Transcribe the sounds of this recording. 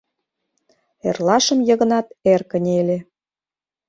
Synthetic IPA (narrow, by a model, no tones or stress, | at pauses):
ḛrlɑʃə̆mjɤ̆ɣə̆nɑt̪erkənʲelʲe